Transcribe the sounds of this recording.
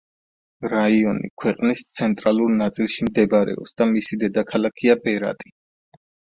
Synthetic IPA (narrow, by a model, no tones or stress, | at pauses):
ɾaiɔnḭkʰwɛqʼnist̪sʰɛnt̪ʼɾalˠuɾnat̪sʼilˠʃimd̪ɛbaɾɛ̰ɔ̰psd̪amisid̪ɛd̪akʰalakʰiapʼɛɾa̰t̪ʼi̥